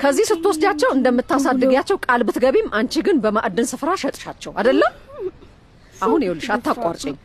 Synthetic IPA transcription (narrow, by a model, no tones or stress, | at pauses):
kʰəzːihsɨt̪ːəwɔsd̪at͡ʃːɛwɨnd̪əmːɨt̪ːasad̪ːɨɡjat͡ʃːɛwkʼalbɨt̪ɡəβemʔant͡ʃɪɡɨnbəmaʔd̪ːɨnsɨfɾaʃət̪ʼɨ̥ʃat͡ʃːɛwad̪əlːəm | ʔahunjewulːɨʃat̪ːakʷʼaɾt͡ʃʼeɲː